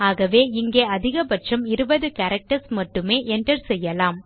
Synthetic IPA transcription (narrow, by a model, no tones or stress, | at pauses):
aːɣɐʋeːɪŋɡeːɐðɪɣɐbɐʈʂɐmɪɾɯbɐðɯkɐɾɐk̚ʈɐɾsmɐʈːɯmeːʔɛnʈɐɾsɛjːɐlaːm